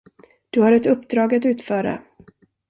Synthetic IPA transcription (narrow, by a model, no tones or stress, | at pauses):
d̪̥ɵhaɾɛt̪ɵpːd̪ɾɑːɡat̪ʉ̟ːt̪fœːɾa̰